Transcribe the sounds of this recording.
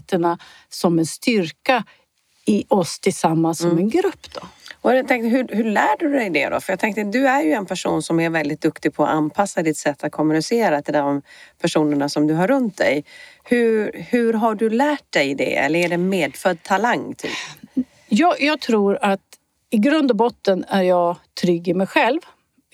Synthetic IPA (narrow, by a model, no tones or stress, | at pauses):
t̪əɳa | sɔmɛnst̪ʏɾka | ɪʔɔst̪ʰɪlsamːansɔmɛnɡɾɵpːd̪̥ɔɔɛt̪ʰɛŋt̪əɦɵɦɵɭæːɖɵd̪ɛjd̪ɛ̰d̪ɔ̰fœɾjɑɡ̚t̪ɛŋkt̪əd̪ɵæɾjɵɛnpʰæʂṵːnsɔmæɾvɛld̪ɪt̪̚d̪ɵkt̪ɪɡ̚pʰɔ̰ʔanpʰasːad̪ɪt̪sɛt̪ʰːat̪̚kʰɔmɵnɪseːɾat̪ʰɪld̪ɔmpʰæʂuːnəɳasɔmd̪ɵɦaɾɵnt̪̚d̪ɛ̰jhɵɾhʉɾɦaɖɵlæːʈ̚d̪ɛjd̪ɛ̰ɛ̰lːəɾæɖɛnmeːd̪fœd̪̚t̪ʰalaŋːt̪ʰy̰ːp | jɑːjɑːɡ̚t̪ʰɾuːɾat̪ | ɪɡɾɵnd̪ɔbɔt̪ːənæɾjɑːɡt̪ʰɾʏɡɪmɛjɧɛlv